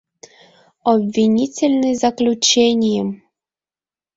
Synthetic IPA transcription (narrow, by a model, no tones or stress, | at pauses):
ɔbʲvʲinʲit͡sʲelʲnɨzaklʲut͡ɕenʲjɛm